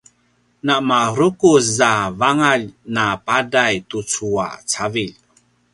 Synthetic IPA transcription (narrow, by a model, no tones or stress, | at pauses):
namaɾukuszavaŋaʎnapadajtut͡sua̰t͡saviʎ